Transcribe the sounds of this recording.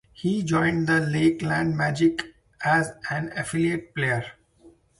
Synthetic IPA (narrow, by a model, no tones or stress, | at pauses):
hiːd͡ʒɔ̃ɪ̃ɳɖd̪əleːklæ̃ɳɖmæːd͡ʒɪk | æzæ̃nəfɪlieʈ̚pleːəɾ